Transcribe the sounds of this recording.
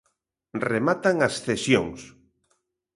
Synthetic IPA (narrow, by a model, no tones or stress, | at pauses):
remat̪aŋasθesjo̰ŋs